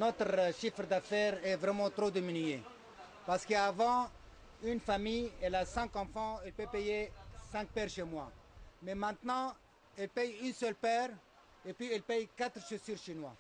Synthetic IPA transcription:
nɔt̪χʃifʁd̪afɛʁɛvʁɛmɑ̃t̪ʁod̪eminye | paʁsə̥kəavɑ̃ | ynfamijɛlasɛ̃ŋkɑ̃fɑ̃ɛlpøpejesɛ̃k̚pɛʁʃemwamɛmɛ̃t̪nɑ̃ | ɛlpɛjynsœlpɛʁ | epɥiɛlpɛjkat̪χʃəsyʁʃinwa̰

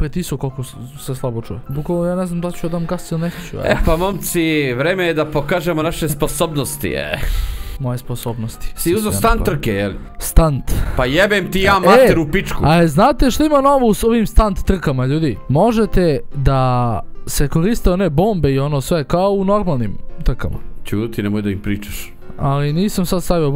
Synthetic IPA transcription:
pɾet̪isokolˠko | seslˠabot͡ʃṵjebukʋalnojaːneznamd̪alt͡ɕud̪amɡast̪ilnekat͡ɕṵa̰epamomt̪siʋɾeːmejed̪apokaːʒemonaʃesposoːbnost̪ḭḛmo̞jesposoːbnost̪i̥siuzost̪ant̪ːr̩kejḛl | st̪ant̪pajebemt̪ijaːmaet̪eɾupit͡ʃkuaeznaːt̪eʃt̪oimano̞ʋouso̞ʋimst̪ant̪ːr̩kamaʎuːd̪imo̞ʒet̪ed̪ase̞ko̞ɾiːst̪eo̞ne̞bo̞ːmbeio̞no̞sʋe̞kaouno̞ɾmalˠnimt̪r̩kama̰t͡ʃuːd̪t̪inemojd̪aimpɾiːt͡ʃaʃ | aliniːsamsad̪st̪aʋio

